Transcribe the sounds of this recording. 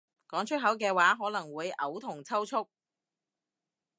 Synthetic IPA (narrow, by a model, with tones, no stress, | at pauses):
kɔː˨˥ŋt͡ʃʰɵ˥ɦɐ˨˥wkɛː˧waː˨˥ɦɔː˨˥lɐ˨˩ŋwuː˨˧jʔɐ˨˥wt̪ʰʊ˨˩ŋt͡sʰɐ˥wt͡sʰʊ˥k̚